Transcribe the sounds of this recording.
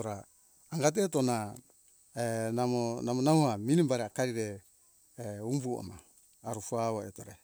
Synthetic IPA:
ɾaː | ŋɡat̬etona | enamonamonahuhaminimbaɾeakaɾiɾe | umbua̰maː | ɾufuaβoetoɾe

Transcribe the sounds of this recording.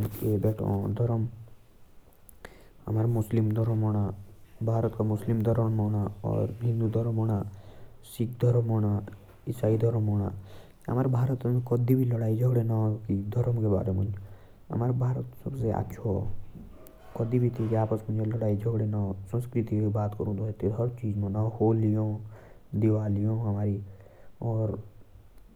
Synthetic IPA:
ebeʈõ̰d̪ʱɔɾɔm | a̰maɾmuslimd̪ʱɔɾɔmɔɽ̃abʱaːɾɔt̪kamuslimd̪ʱɔɾɔɳmɔñaɔ̰ɾɦĩnd̪ud̪ʱɔɾɔmɔɽ̃asik̚d̪ʱɔɾɔmɔɽ̃a | isaid̪ʱɔɾmɔɽ̃a | a̰maɾbʱaːɾɔt̪nkɔd̪ibʱilɔɽajd͡ʒʱɔɡɽenakid̪ʱɔɾmkeba̰ːɾemə̰̃nd͡ʒ | a̰maɾbʱaːɾət̪səbsea̰tːʃʰo̰ | kɔd̪ibʱit̪ʰikiaːpəsmə̃nd͡ʒelɔɽaːid͡ʒʱəɡɽenasə̃nskɾit̪ikibaːt̪kɔɾũnd̪oet̪iɾɦəɾt͡ʃiːd͡ʒmãnahoːlijõːd̪iʋaːlijõamaːɾi | ɔːɾ

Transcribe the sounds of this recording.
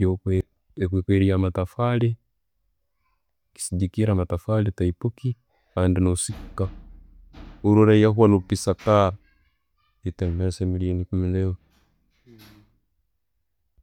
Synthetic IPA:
o | kikweɾiamatafale | ki̥siɟikiɾamatafaletaipuki | andinosikka | uɾuɾajaɦwalupisaka | itemeɾsemiliinikumilewo

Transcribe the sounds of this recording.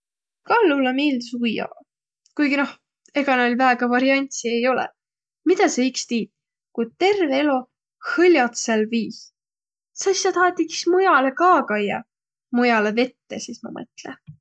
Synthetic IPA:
kɑlːulɑmeːld̪isujːɑ̰ | kujɡino̞h | e̞ɡ̥ɑneolʲvæːɡ̥ɑvɑɾiɑnʲt̪siejo̞lḛ | mid̪̥ɑseikst̪iːt̪̚ | kujd̪̚t̪e̞rveelo̞ | hɤlʲjɑt̪selviːs | sɑsisɑt̪ɑːt̪ːiki̥smujɑle̞kɑːkɑjɑ̰ | mujɑleve̞t̪ːesismɑ̰mɤ̰t̪le

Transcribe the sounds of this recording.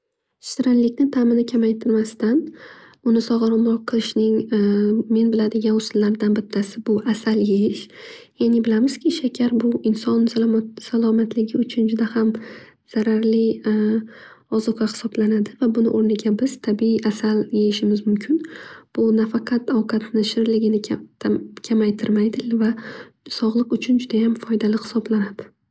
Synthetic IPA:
ʃt̪ɪɾanlɪkʲnɪt̪ʰamɪnɪkʲʰamajt̪ʰɪɾmast̪an | ʊnɪsɒʁɑɾɪmɾɒqqʰːɨlˠɪʃnɪŋ | me̞nbɪlad̪ɪɡʲanʊslːaɾd̪anbɪt̪ʰːasɪbʊʔasaljejɪʃjanɪbɪlamɪz̥kʲʰɪʃakʲʰaɾbʊɪnsɒnssalˠɒmat̪ʰlɪɡʲɪʊt͡ʃʰʊnd͡ʒʊd̪aham | z̥aɾaɾlɪ | ɒzɒqʰɑhɪ̥sɒblanad̪ɪvabʊnɪ̰ʔoɾnɪɡʲabɪz̥t̪ʰabiiasaljejɪʃɪmɪzmʊmkʲʰɪnb̥ʊnafaqʰɑt̪awqʰɑt̪nɪʃɪɾlɪɡʲɪnɪkʲʰamajt̪ʰɪɾmajd̪ɪvasɒʁlˠɨqʊt͡ʃʰʊnd͡ʒʊd̪ajamfɒjd̪alɪhɪ̥sɒblanad̪̥ɪ̥

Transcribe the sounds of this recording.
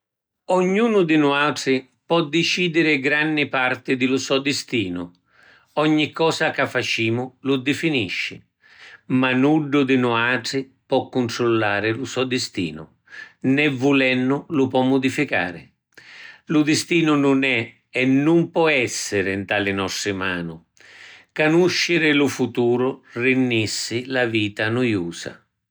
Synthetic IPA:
ɔɲːuːnʊd̪ɪnuaʈɾɪ | pɔd̪ːɪt͡ʃiːd̪ɪɾɪɡɾanːɪpaɾt̪ɪd̪ɪlʊsɔd̪ɪst̪iːnʊ̰ | ɔɲːikːɔːsakafːat͡ʃiːmʊlʊd̪ɪfiniʃːɪ | manuɖːʊd̪ɪnuaːʈɾɪ | pɔkːʊnt̪ɾulːaːɾɪlʊsɔd̪ɪst̪ḭːnʊ̰ | nɛvːulɛnːʊlʊpɔmːʊd̪ifika̰ːɾɪ̰ | lʊd̪ɪst̪iːnʊnʊnɛ | ɛnːumpɔɛsːɪɾɪnt̪aːlɪnɔsɾɪma̰ːnʊ | kanuʃːɪɾɪlʊfut̪uːɾʊrɪnːisːɪlaviːt̪anujuːsa̰

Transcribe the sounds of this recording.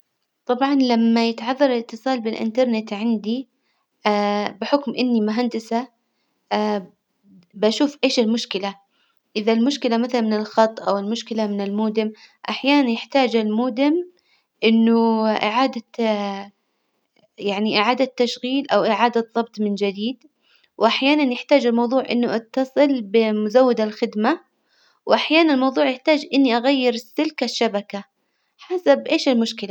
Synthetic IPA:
t̪ˤɑbʕɑnlamːajɪt̪ʕɑðˤːɑɾˤɪlɪt̪ːɨsˤɑːlbɪlʔɪ̰nt̪ɑɾˤnɪt̪ʕɪnd̪i | bɪħʊkmʔɪnːimʊɦand̪ɪsa | baʃuːfʔeːʃɪlmʊʃkɪla | ʔɪðalmʊʃkɪlamaθalanmɪnɪlxɑt̪ˤːʔawɪlmʊʃkɪlamɪnɪlmuːd̪ɪm | ʔaħjaːnanjɪħt̪aːd͡ʒalmuːd̪ɪm | ʔɪnːʊʔɪʕaːd̪a | jaʕniʔɪʕaːd̪at̪ːaʃɣiːlʔawʔɪʕaːd̪aðˤɑbt̪ˤmɪnd͡ʒad̪iːd̪ | wʔaħjaːnanjɪħt̪aːd͡ʒɪlmɑwðˤuːʕʔɪ̰nːʊʔɑt̪ːɑsˤɨlbɪmʊzawːɪd̪alxɪd̪ma | wʔaħjaːnanɪlmɑwðˤuːʕjɪħt̪aːd͡ʒʔɪnːiʔaɣajːɪɾɪsːɪlkaʃːabaka | ħasabʔeːʃɪlmʊʃkɪla

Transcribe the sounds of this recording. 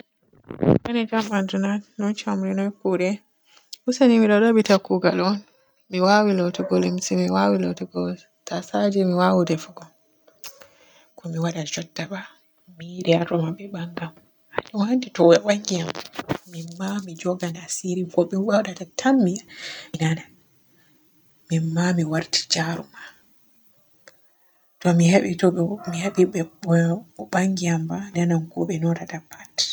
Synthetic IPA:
ʔanɛd͡ʒambantunanɔnt͡ʃamɾinɔkːuɾɛ | husaniwiɗaɗaɓitakːuɡalɔn | miwawilɔtɛɡolimsimiwawilɔtɛɡɔ | tʰasad͡ʒɛmiwawudɛfuɡɔ | kɔmiwaɗad͡ʒɔdːaɓa | miɾɛaɾɔmabɛɓaŋɡam | aɲiwanditɔwɛɓaŋɡijammimːamid͡ʒɔɡanasiɾikɔɓiwɔɗatatʰamːiainana | mimːamiwaɾti̥d͡ʒaɾuma | tɔmihaɓitɔmihaɓiɓɛ | ɔɓaŋɡiambananamkɔɓɛnɔtatapʰːat

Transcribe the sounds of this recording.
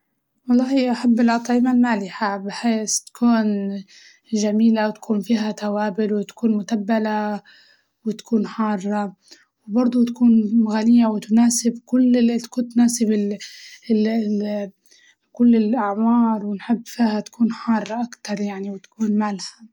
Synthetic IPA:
wɑlˤːɑːhiʔaħabːɪlʔɑt̪ˤʕɪmalmaːlɪħabɪħeːst̪ḁkʰuːn | ʒamiːlawt̪ḁkʰuːnfiːɦat̪awaːbɪlwɪt̪ḁkuːnmʊt̪abːala | wɪt̪ḁkʰuːnħɑːrˤːɑ | wbɑɾˤd̪ˤut̪ḁkuːnɣanɪjːawɪt̪ʊnaːsɪbkʊlːɪt̪kut̪naːsɪbɪ | kʊlːɪlʔaʕmɑːɾˤwɪnħɪbːfiːhat̪ḁkʰuːnħɑːrˤːɑʔakt̪ɑɾˤjaʕniwɪt̪ḁkuːnmalha

